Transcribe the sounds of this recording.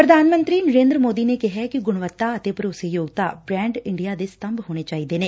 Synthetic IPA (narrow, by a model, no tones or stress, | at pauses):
pɾəd̪ʱaːnmə̃nt̪ɾiːnəɾẽːnd̪ɾəmoːd̪iːneːkɪɦɛːkɪɡʊɽ̃ʋət̪ːaːət̪eːpəɾoːseːjoːɡt̪aːbɾɛ̃ːɳɖɪɳɖijaːd̪eːsə̥t̪əmbɦoːɽ̃eːt͡ʃaːiːd̪eːneː